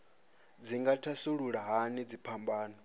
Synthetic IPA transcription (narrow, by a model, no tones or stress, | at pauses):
d͡ziŋɡatʰasuɺuɺaɦanid͡zipʰambaːnɔ